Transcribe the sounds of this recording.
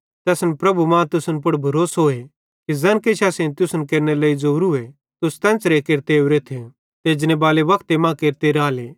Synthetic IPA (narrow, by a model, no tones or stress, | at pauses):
t̪ɛːsnpɾɐbumãt̪ʊsənp̬ʊɽbʱɐɾoːsɦoːe | kizɛːnkeʃʰaːsẽnt̪ʊsənkeːɾnelɐːid͡zoːɾue | t̪ʊst̪ɛ̃ːnt͡sɾekeːɾt̪euɾet̪ʰe | t̪eːd͡ʒnebaːleʋɐkt̪emãkeːɾt̪eɾaːleː